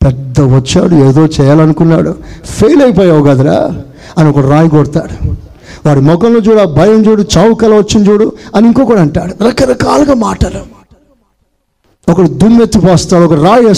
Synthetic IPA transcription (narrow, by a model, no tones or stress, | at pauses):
pɛd̪ːɐʋɐt͡ʃːa̰ːɽueːd̪o̞ːt͡ʃɛːjaːlɐnukunːa̰ːɽupʰejlɐjp̬oːjaːwuɡɐd̪ɐla̰ː | ɐniɔkɐɽiɾaːjiɡɔɽt̪aːɽu | ʋaːɾimɔkɐnloːt͡ʃuːɽaːbʱɐjɐmd͡ʒuːɽut͡ʃaːwukɐlɐʋɐt͡ʃːind͡ʒuːɽuɐniŋkoːkuːɽɐːɳʈaːɽuɾɐkɐɾɐkaːluɡaːmaːʈalu | ɔkɐɽid̪umet̪ːipaːst̪aːɽuɔkɐɽɾaːje